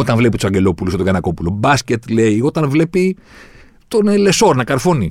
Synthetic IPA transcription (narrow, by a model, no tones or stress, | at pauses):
o̞t̪ɐnvle̞pit̪u̥sɐɲɟe̞lo̞pulusot̪oɡɐnɐko̞pulo̞bɐscet̪leio̞t̪ɐnvle̞pi | t̪o̞neleso̞ɾnɐkɐɾfo̞ni